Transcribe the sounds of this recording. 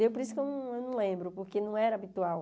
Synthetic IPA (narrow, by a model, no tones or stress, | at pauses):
ewpoɾisʊkewnɐ̃ewnɐ̃w̃lẽmbɾʊpoɾkenɐ̃w̃ɛɾɐaːbit̪uaw